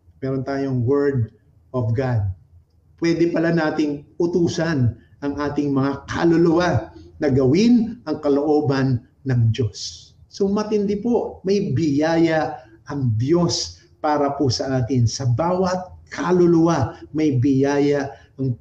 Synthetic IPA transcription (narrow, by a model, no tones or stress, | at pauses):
mɛːɾont̪aːjoŋwɛɹd̪̚ | ʔofɡad̪̚ | pwɛːd̪ɛpɐlanaːt̪ɪŋʔʊt̪uːsɐn | ʔɐŋʔaːt̪ɪŋmɐŋakɐ̰lolʊwanɐɡɐwɪnʔɐŋkɐloʔo̞ːbɐnː | ɐŋd̪jo̞sːomɐt̪ɪnd̪ɪpo̞ʔmɐjbɪjaːjɐʔɐŋd̪jo̞s | paːɾɐposɐʔaːk̪ɪnsɐbaːwɐt̪̚kʰalʊlʊwamɐjbɪjaːjɐʔɐŋ